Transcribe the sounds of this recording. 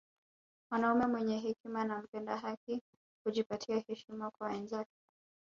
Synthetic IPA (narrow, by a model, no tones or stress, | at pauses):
mwanaumɛmwɛɲɛɦɛkimanam̩pɛndaɦak̚i | kuʄipatʰiahɛʃimakwaɛnzakɛ̥